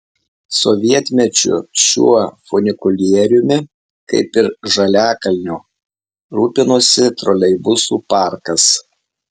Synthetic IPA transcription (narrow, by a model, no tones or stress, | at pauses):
sɔʋʲiɛt̪ʲmʲɛt͡ʃʲʊ̰ʃʲṵɔfɔnʲɪkʊlʲiɛɾʲʊmʲɪ | kɐ̰ɪpɪɾʒɐlʲæːkɐlʲnʲuː | ɾuːpʲɪnusʲɪt̪ɾɔlʲɛɪbʊsuːpɑˑɾkɐs